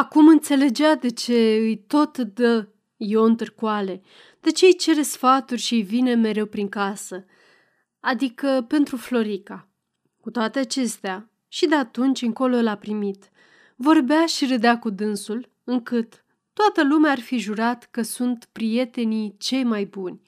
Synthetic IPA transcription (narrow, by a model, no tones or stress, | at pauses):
akumɨnt̪se̞le̞d͡ʒead̪e̞t͡ʃe̞ɨjt̪o̞t̪d̪ə | jo̞ɨnt̪ɨrkwale̞ | d̪̥e̞t͡ʃejt͡ʃe̞ɾe̞sfat̪urʲʃiɨjvine̞me̞ɾe̞wpɾiŋkasə | ad̪ikəpe̞nt̪ɾuflo̞ɾika | kut̪oat̪e̞at͡ʃe̞st̪ea | ʃid̪e̞at̪unt͡ʃʲɨŋko̞lo̞lapɾimit̪ | vo̞rbeaʃiɾəd̪eakud̪ɨnsul | ɨŋkɨt̪ː | oat̪əlumeaːrfiʒuɾat̪kəsunt̪pɾije̞t̪e̞nit͡ʃe̞jmajbunʲ